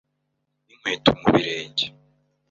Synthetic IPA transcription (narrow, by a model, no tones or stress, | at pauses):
niŋ̥weːtʰumuβiɾeːɲɟe